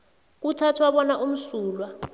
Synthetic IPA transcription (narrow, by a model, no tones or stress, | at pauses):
k̬utʰatʰwaɓɔnaʔum̩suːlwa